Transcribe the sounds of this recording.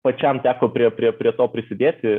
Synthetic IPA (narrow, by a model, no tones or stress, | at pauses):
pɐt͡ʃʲɛmt̪ʲæːkoːpʲɾʲiɛpʲɾʲiɛpʲɾʲiɛt̪oːpʲɾʲɪsʲɪd̪ʲeːt̪ʲɪ